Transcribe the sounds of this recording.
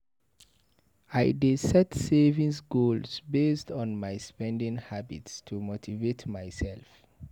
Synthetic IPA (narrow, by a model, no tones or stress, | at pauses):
ajdisɛtsevĩŋsɡolsbestɔ̃nmajspɛ̃ndĩŋhabitstʰumotʰivetʰmajsɛlf